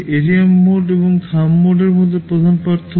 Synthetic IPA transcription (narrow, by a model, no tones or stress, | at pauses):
ʔeɾiamːoɖeboŋkʰamːoɖeɾmod̪ʱːepɾod̪ʱanpaɾt̪ʰːo